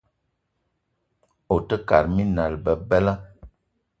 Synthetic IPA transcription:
o˨tə˦ka̰˨ɾmi˦na˨lbə˨bɛ˦la˦

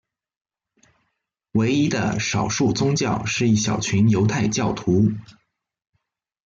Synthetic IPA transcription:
we˧˥ɪi˥d̪ə̰˨ʂɑ˨˩ʊʂu˥˩t͡sʊ˥ŋt͡ɕjɑ˥˩ʊʂɻ̩˥˧i˥˩ɕjɑ˨˩ʊt͡ɕʰy˧˥njo˧˥ʊt̪ʰa˥˧ɪt͡ɕjɑ˥˩ʊt̪ʰu˧˥

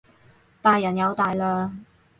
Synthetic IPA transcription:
t̪aː˨jːɐ˨˩njɐ˨˧wt̪aː˨jlaː˧

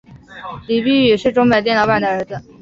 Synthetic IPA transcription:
li˨˩py˥˩˥ɛ˨˩ʂɻ̩˥˩ʈ͡ʂʊ˧˥ŋme˨˩ɪt̪̬jɛ˥˩nɑ˧˥ʊa˥˩nd̪ə˩ə˞˧˥d͡z̩˧

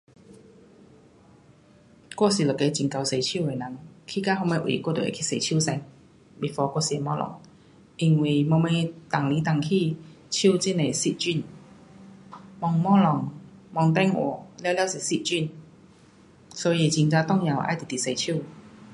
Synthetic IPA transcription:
kwɔ˥˧si˨˩lɔ˨˩ke˧˦t͡ɕi˨˩ŋka˧wse˧jt͡ɕʰi˥˨e˨˩na˨˦ŋkʰi˥˧ka˥hɦɔ˧ŋme˧˩ʔwḭ˨˩kwɔ˥˧t̪o˨˩˨ḛ˨˩kʰi˧˥˨se˧˩t͡ɕʰi˥˨sɛ˧n | bi˨˩fɔ˧kwɔ˥˩˨si˧e˨˩mɔ˧˥lɔ̰˨˩˦ŋ | ʔi˧ŋwi˨˩mɔ˧me˧t̪a˨˩ŋli˨˧˦t̪a˨ŋkʰi˧ | t͡ɕʰi˥˧˨t͡ɕi˥˧˨ne˨si˧t̚t͡ɕi˥˧˨n | mɔ˧˩ŋmɔ˥˦˥lɔ˨˩ŋmɔ˧ŋt̪ɛ˥˧˨ŋʔɔ̰˨˩lwlja˧wsi˨˩si˦˧˩t̚t͡ɕi˥˨n | sɔ˨˧˦ji˧˩t͡ɕi˧ŋt͡sa˧t̪ɔ˥˧˨ŋja˨˩wʔa̰˧˨jt̪i˨˩t̪i˨se˧jt͡ɕʰu˥˨

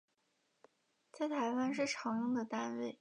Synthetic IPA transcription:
t͡sa˥˩ɪt̪ʰa˧˥ɪwa˥nʂ̬ɻ̩˥˩ʈ͡ʂʰɑ˧˥ŋjʊ˥˧ŋd̪ə˨t̪a˥nwe˥˩ɪ

